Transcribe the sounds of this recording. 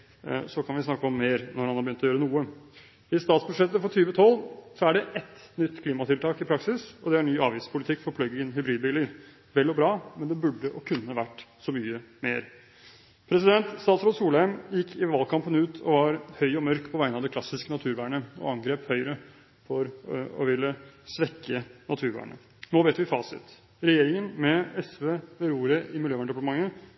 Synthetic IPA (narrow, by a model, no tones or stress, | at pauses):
sɔkʰɑnʋɪsnɑkːəɔmːeːɾnɔɾhɑnhɑɾbjʏnt̪ɔjøːɾənuːə | ɪst̪ɑːt̪sbʉd̪ʂɛt̪ːəfɔt̪ʰyːʋət̪ʰɔlːsɔæɖɛʔɛt̪nʏt̪ːkʰliːmɑt̪ʰɪlt̪ʰɑːkɪpʰɾɑksɪsɔd̪ɛæɳyːɑːʋiːspʰʊlɪt̪ʰɪkːfɔɾpʰlœɡɪŋənɦʏbɾiːd̪biːləɾ | ʋɛlːɔbɾɑːmɛnd̪ɛbʉɖːəʔɔkʰʉnːəʋæʈːsɔmyːəmeːɾ | pʰɾɛsɪd̪ɛnt̪st̪ɑːt̪sɾɔsuːləɛmjɪkʰːɪʋɑːlkʰɑmpənʉːt̪ʰɔʋɑɾhœʏɔmœɾkpʰɔʋæɪənɑʋd̪ɛklɑsɪskənɑt̪ʰʉːɾʋæːɳəɔ̰ɑŋɡɾeːphœʏɾə | fɔɾɔ̰ʋɪlːəsʋɛkʰːənɑt̪ʰʉːɾʋæ̰ːɳə̰ | noːʋeːt̪ʋɪfɑ̰ːsɪ̰t̪ | ɾɛjeːɾɪŋənmɛɛsʋeːʋɛɾuːɾəʔɪmɪljøːʋæɳəɖɛpɑʈəmɑŋːə